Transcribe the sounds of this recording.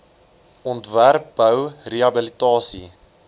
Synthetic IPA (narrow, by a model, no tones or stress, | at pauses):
ɔntværp̚bəwreɐbəlitɑːsḭ